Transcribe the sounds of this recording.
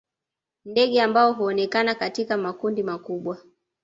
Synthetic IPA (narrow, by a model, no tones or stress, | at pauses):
ndɛɠɛambaɔɦuɔnɛkanakatikamakundimakuɓwa